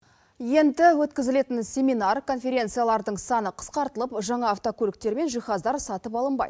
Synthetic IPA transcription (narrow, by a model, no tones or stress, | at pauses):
je̞nd̪ɪwɵt̪kʲɪzɪle̞t̪ɪnsʲe̞mʲinɑrkʰo̞nfʲe̞ɾʲe̞nt̪sɨjalˠɑɾd̪əɴsɑnəqʰə̥sqɑɾt̪əlˠəpʒɑɴɑːft̪o̞kʲʰɵlɪk̚t̪e̞ɾme̞nʒiχɑzd̪ɑɾsɑt̪əpɑlˠəmbɑ̰jd̪ə